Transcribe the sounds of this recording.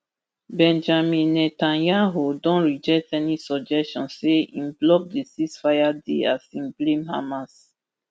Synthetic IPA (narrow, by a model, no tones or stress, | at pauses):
bɛ̃nd͡ʒamĩnnːɛtãnjãɦodɔ̃nɹid͡ʒɛk̚tɛnisɔd͡ʒɛstɔ̃nseḭ̃mblɔp̚desiksfajadḛa̰sĩmblĩmha̰mas